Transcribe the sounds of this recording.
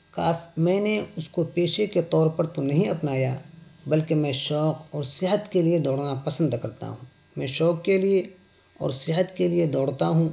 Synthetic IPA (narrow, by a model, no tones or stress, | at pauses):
kaːmɛ̃ːneʊskopeːʃeket̪ɔːɾpɐɾt̪onɐɦĩɐpnaːjabɐlkemɛ̃ʃɔːqɔːɾsɪɦət̪kelied̪ɔːɽnapɐsə̃nd̪kɐɾt̪a̰ɦũː | mɛ̃ːʃɔːkːelie | ɔ̰ːɾsɪɦət̪kelied̪ɔːɽt̪aɦũː